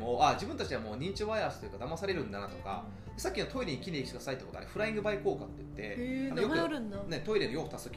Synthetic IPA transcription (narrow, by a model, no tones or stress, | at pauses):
mo̞ad͡ʑibɯ̟nt̪at͡ɕiβamo̞ːɲ̟ĩɲ̟t͡ɕiβaasɨ̥t̪ojɯ̟kad̪amasaɾe̞ɾɯ̟̃nd̪anat̪o̞ka̰ | d̪esakʲːino̞t̪o̞iɾeɲ̟ikʲinekʲi̥skɯasait̪ːekot̪a̰ɾeɸɯ̟ɾaĩŋɡɯ̟baiko̞ːka̰t̪ːe̞jɯ̟t̪ːe̞anojoɾɯnnet̪o̞iɾenojo̞ːt̪asokʲ